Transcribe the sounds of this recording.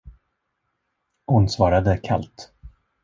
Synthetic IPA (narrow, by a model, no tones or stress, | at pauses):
hʊnsvɑːɾad̪əkʰa̰lt̪